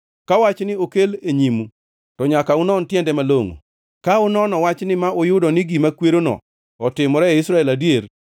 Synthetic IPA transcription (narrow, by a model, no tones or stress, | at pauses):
kawat͡ʃnɪokeleɲimu | tɔɲakaʊnɔntjɛndɛmaloŋo̰ | kaʊnɔnɔwat͡ʃnɪmaojʊdɔnɪɡimakweɾonɔ̰ | ɔtɪmɔɾɛɛɪsɾaɛladjer